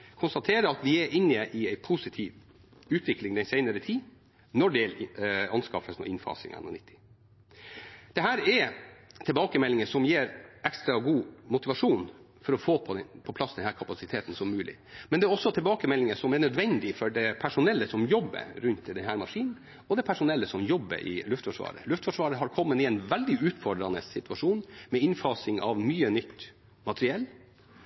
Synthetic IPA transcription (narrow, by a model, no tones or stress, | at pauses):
kʰʊnst̪ɑt̪ʰeːɾəɾɑt̪ʋɪɛɾʔɪnːɪɛʔɪæɪpʰusɪt̪ʰiːʋ | ʉːt̪ʋɪklɪŋd̪ɛnsæɪnəɾət̪ʰiː | nɔɖɛɛlɑnskɑfəsnɔ̰ʔɪnfɑ̰ːsɪ̰ŋɑ̰nɔ̰nɪt̪ʰːɪ̥ | d̪̥ɛɦæːɾɛɾt̪ʰɪlbɑːkəmɛlːɪŋəʂɔmjeːɾʔɛkst̪ɾɑɡuːmʊt̪ɪʋɑʂuːn | fɔɾɔfoːpʰɔd̪ɛnpʰɔpʰlɑsːd̪ɛnhæːɾkʰɑpɑsɪt̪ʰeːt̪n̩sɔmːʉːlɪ̰ | mɛnd̪ɛæɾɔsːɔt̪ʰɪlbɑːkəmɛlːɪŋəʂɔmɛɳœd̪ʋɛnd̪ɪfɔɖɛpʰæʂʊnɛlːəsɔmjɔbːə̰ɾɾʉnt̪d̪ɛnhæːɾmɑʂiːnn̩ | ɔd̪ɛpʰæʂʊnɛlːəsɔmjɔbːə̰ɾʔɪ̰lʉft̪fɔʂʋɑ̰ːɾə̰lʉft̪fɔʂʋɑːɾəɦɑɾkʰɔmːənɪɛnʋɛld̪ɪʉːt̪fɔɖɾɑnəsɪt̪ʉʋɑʂuːnmɛɪnfɑːsɪŋɑ̰ʋmyːənʏt̪ː | mɑt̪əɾɪɛlː